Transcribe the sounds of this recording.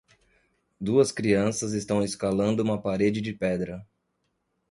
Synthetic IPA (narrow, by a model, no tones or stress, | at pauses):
d̪uɐskɾiɐ̃sɐzest̪ɐ̃w̃eskalɐ̃nd̪ʊũmɐpaɾed͡ʒɪd͡ʒɪpɛd̪ɾɐ